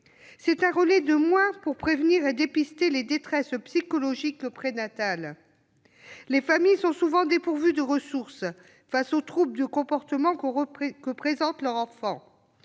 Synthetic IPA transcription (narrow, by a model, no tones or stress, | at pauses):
sɛt̪ɛ̃ʁəlɛd̪əmwɛ̃puʁpχevniʁed̪epist̪eled̪et̪χɛspsikɔlɔʒikəpχenat̪al | efamijsɔ̃suvɑ̃d̪epuʁvyd̪əʁəsuʁs | fasot̪χub̚d̪əkɔ̃pɔʁt̪əmɑ̃kkəpχezɑ̃t̪lœʁɑ̃fɑ̃